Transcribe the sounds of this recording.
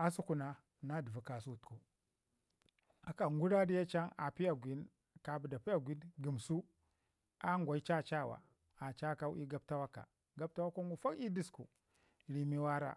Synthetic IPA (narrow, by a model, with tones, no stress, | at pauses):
a˦su˦ku˨na˦ | na˦di˨vu˨ka˨su˦˨tku˨ | a˨ka˨ŋɡu˦ɾa˦di˦ja˦t͡ʃa˦ŋa˨pi˦ja˨ɡʷi˨˦n | ka˨bu˨da˨pi˦ja˦˨ɡʷi˦nɡi˨msu˦ | a˦ŋɡʷa˨i˦t͡ʃa˦t͡ʃa˦˨wa̰˨ | a˨t͡ʃa˦ka˦wi˦ɡa˦b̚ta˦wa˦ka̰˨ | ɡa˦b̚ta˦wa˦ka˦ŋɡu˦fa˦ki˦di˦skṵ˨ | ɾi˨mi˦wa˦ɾa̰˦